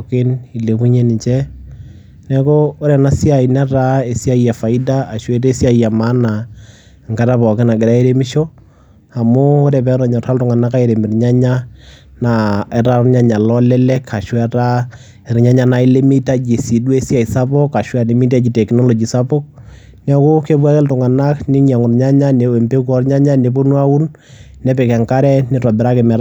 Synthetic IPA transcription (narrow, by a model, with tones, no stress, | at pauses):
kɪ˦ni˨le˨ku˦ɲe˦nɪ˨ɲt͡ʃɛ˦ | nɛ˦koː˦ɾɛ˨na˦si˦a˨i˨na˦ɾa˦e˨si˦a˦ija˨fa˨i˦da˦a˨ʃwe˦te˦sja˦˨ija˨ma˦na˨ | ŋka˦ta˦pɔ˨kɪ˦na˨ɡɪ˨ɾa˦e˦ɾe˦mɪ˦ʃo˦ | a˨mʊ˦o˦ɾe˨pɛ˨˦ɾɔ˨ɲɔ˨ta˦ltʊ˦ŋa˨na˦ka˦e˨ɾe˨mɪ˨rɲa˦ɲa˦na˨ɛ˦ta˦ɾɲa˦ɲa˨lɔ˦lɛ˦lɛ˦kʰa˨ʃwɛ˦ta˦ | ɪ˨ɾɲa˦ɲa˦na˨ɪ˦lɪ˦mi˦ta˦d͡ʒi˨si˨dwe˦si˦a˨i˨sa˦pɔ˦kːa˨ʃwa˨ni˨˦mi˦ta˦d͡ʒi˨tɛ˨knɔ˦lo˨d͡ʒi˨sa˦pɔ˦k̚ | nɛ˦kʊ˦ke˦b̬a˦kɪ˦ltʊ˨ŋa˨na˦knɪ˦ɲa˨ŋʊ˨rɲa˦ɲa˦ne˨we˨mpe˦k̬u˦ɔ˦rɲa˦ɲa˦ne˨p̬o˦nwa˦ʊ˦n | nɛ˨˦pɛ˨kɛ˨ŋka˦ɾɛ˦nɪ˦ta˨bɪ˨ɾa˦kɪ˨mɛ˨ɾ